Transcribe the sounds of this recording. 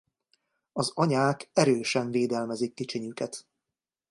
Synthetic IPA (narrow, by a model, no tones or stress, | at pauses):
ɒzɒɲaːkɛɾøːʃɛɱveːd̪ɛlmɛzikːit͡ʃiɲykɛt̪